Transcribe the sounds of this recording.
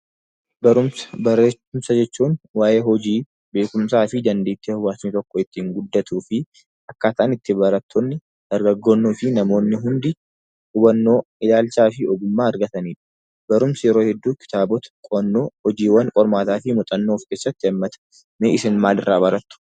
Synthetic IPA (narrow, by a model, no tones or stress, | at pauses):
bɐɾʊmsɐ̥bɐɾːeːʊmsɐd͡ʒɛt͡ʃːuːnwaːjeːhɔd͡ʒiː | be̞ːkʊmsaːfɪd̪ɐnd̪eːt̪ːeːʊwaːt̪nit̪ɔkːɔɪt̪ːiːŋɡʊd̪ːɐt̪uːfɪ | ʔɐkːaːt̪ɐʔaːnɪt̪ːɪbɐɾɐt̪ʰːɔnːɪ | d̪̥ɐɾɡɐɡːonːoːfɪnɐmo̞ːnːɪɦʊnd̪ɪ | ʊbɐnːo̞ːɪlaːlt͡ʃaːfɪɔɡʊmːaːɐɾɡɐt̪ɐniːᶑɐ̥ | bɐɾʊmsɐjɛɾoːhɛd̪ːuːkɪ̥t̪aːbɔt̪ɐ̥kʼɔnːoːhɔd͡ʒiːwɐŋkʼɔɾmaːt̪aːfɪmɔt̪ʼɐnːoːfkeːsːɐt̪ːɪɐmːɐt̪ɐ̥ | meːʔɪsɪnmaːlɪrːaːbɐɾɐt̪ːʊ̥